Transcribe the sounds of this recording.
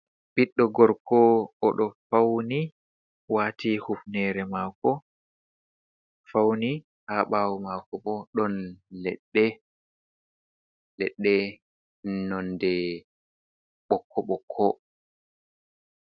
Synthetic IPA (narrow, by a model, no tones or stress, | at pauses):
b̥iɗːɔɡɔɾkʰɔɔɗɔfawni | waːtʰihufnɛːɾɛmakɔ | fawni | haɓaːwɔmakɔɓɔɗɔnlɛɗːɛ | lɛɗːɛ | nɔndɛ | ɓɔkʰːɔɓɔkʰːɔ